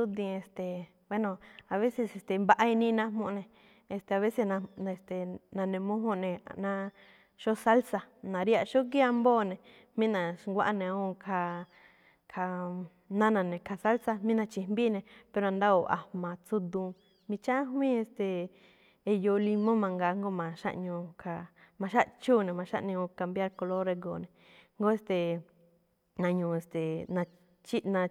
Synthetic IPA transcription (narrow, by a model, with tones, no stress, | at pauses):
u˦d̪ĩ˧e˧˨st̪e˨ | we˦nõ˨a˨βe˦se˧se˨st̪e˨mba˧ʔa˧i˧nĩ˦˧nã˦ɦmõ˧ʔnẽ˧ | e˧st̪e˨a˨βe˦se˧nã˧e˧˨st̪e˨nã˨˧nẽ˨mũ˦ɦõ˦˧ʔnẽ˨a̰˧nã˧ | ʃo˦sa˦lsa˧nã˨ɾi˦a˧˨ʃo˦k̬i˦a˧mboː˦˨nẽ˨ | mĩ˦nã˨ʃŋɡʷa˦˧ʔa˧nẽ˨˧ũ˧kʰa˧ | kʰa˧ | nã˦nã˧˨nẽ˨kʰa˧sa˦lt͡sa˧mĩ˦nã˧t͡ʃi˧mbi˦nẽ˧pe˧ɾo˧ã˧nd̪a˦o˨ʔa̰˨mã˨t͡su˧d̪ũ˧ | mĩ˧t͡ʃã˦ɦwĩ˦e˧st̪e˨ | e˧jo˧li˧mõ˦mã˧ŋɡa˧ŋɡo˦mã˨ʃa̰˦˧ʔɲũ˧kʰa˧ | mã˧ʃa˦ʔt͡ʃu˦˨nẽ˨mã˧ʃa̰˦ʔnĩ˧ũ˧ka˧mbja˦ɾko˧lo˦ɾe˧ɡo˨nẽ˨ | ŋɡo˦e˧st̪e˨ | nã˧ɲũ˧e˧st̪e˨nã˧ | t͡ʃi˦nã˧